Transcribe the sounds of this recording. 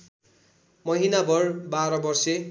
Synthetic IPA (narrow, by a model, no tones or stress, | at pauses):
mʌɦinabʌrbaɾʌbʌrse